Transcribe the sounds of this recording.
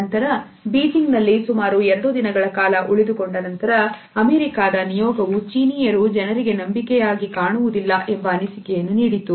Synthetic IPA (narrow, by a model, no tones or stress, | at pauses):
ɐnt̪ɐɾɐ | biːd͡ʒiŋɡnɐlːisumaːɾuɛɾɐɽud̪inɐɡɐɭɐkaːlɐʔuɭid̪uko̞ɳɖɐnɐnt̪ɐɾɐː | meːɾikaːd̪ɐnijɔːɡɐʋut͡ʃiːnijɐɾud͡ʒɛnɐɾiɡe̞nɐmbikɛjaːɡikaːɳuʋud̪ilːɐʔe̞mbɐːnisikɛjɐnːuniːɽit̪u